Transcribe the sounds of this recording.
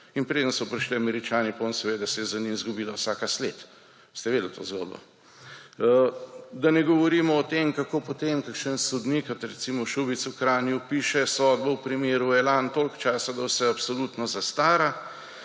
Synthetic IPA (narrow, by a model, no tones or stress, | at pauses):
inpɾeːd̪ənsɔpɾiʃliamɛɾit͡ʃaːnipaoːnsɛʋeːd̪asɛjɛzɐninzɡubiːlawsaːkaslet̪ | st̪ɛʋeːd̪əl̩t̪o̰ːzɡo̰ːd̪̚bɔ̰ | d̪anɛɡɔʋɔɾiːmɔːt̪emkakoːpɔt̪emkakʃənsɔd̪nikat̪ɾɛt̪simɔʃubit̪sukɾaːnjupiːʃɛsɔd̪bɔwpɾimjeːɾuɛlant̪oːlkt͡ʃaːsad̪ɐwsɛapsolut̪nɔzast̪aːɾa